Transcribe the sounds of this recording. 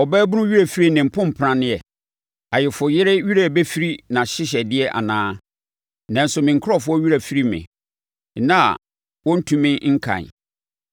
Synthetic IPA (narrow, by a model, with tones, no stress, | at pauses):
ɔ˨bɛː˦bʊ˦nʊ̃˦ɥi˦ɾæ˨fi˦ɾi˦nɪ̃˨m̩˨pʰʊ̃˦m̩˨pʰɾã˦nɪ̃˦ɛ˨ | a˨jɪ˨fʊ˨jɪ˦ɾɪ˦ɥi˦ɾæ˨bɛ˦fi˦ɾi˦nã˨ɕɪ˦ɕ̬ɛ˨dɪ˦ɛ˦ʔa̰˨nãː˦ | nã˨n̩˦sʊ˨mɪ̃˨ŋ̩˨kʰʊ˦ɔ˦fʊ˦ɔ˦ɥi˦ɾæ˨fi˦ɾi˦mɪ̰̃˨ | nã̰˦˨ | wɔ̃˦n̩˦tʰũ˦mɪ̃˦ŋ̩˦kʰã̰˨